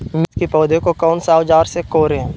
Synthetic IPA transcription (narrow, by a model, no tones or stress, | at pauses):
mɪt̪kipɔːd̪ekokɔːnsaːwd͡ʒaːɾsekoːɾẽ